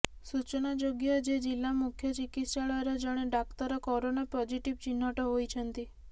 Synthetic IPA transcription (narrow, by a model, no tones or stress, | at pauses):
sut͡ʃnad͡ʒoɡjəd͡ʒed͡ʒilːamukʰjət͡ʃikit̪ʃaɭɔɾɔd͡ʒəɽ̃eɖɔkt̪əɾɔkɔɾonapɔd͡ʒiʈiʋt͡ʃinːɔʈoɦojt͡ʃʰənt̪i